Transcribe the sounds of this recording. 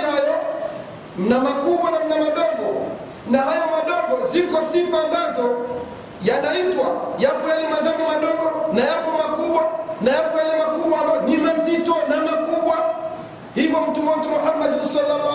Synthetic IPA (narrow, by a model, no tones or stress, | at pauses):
ajɔ | namakuɓwanam̩namaɗɔɡɔ | naɦajamaɗɔɡɔzikɔsifaːmbazɔ | janaitwajapɔjalimaðamimaɗɔɡɔnajapɔmakuɓwanajapɔalɛmakuɓwabanimazitɔnamakuɓwa | hivɔm̩tumɔtumuhamːadhusɔlala